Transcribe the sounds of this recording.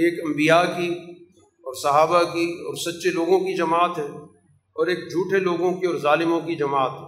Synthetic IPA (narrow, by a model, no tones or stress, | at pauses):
eːkɐ̃mbijaki | ɔːɾsɐɦaːbakiɔːɾsɐtːʃeloːɡõkid͡ʒɐmaːt̪ɦɛ̃ː | ɔːɾeːk̚d͡ʒʱuːʈʰeloːɡõkiɔːɾzaːlɪmõkid͡ʒɐmaːt̪ɦɛ̃ː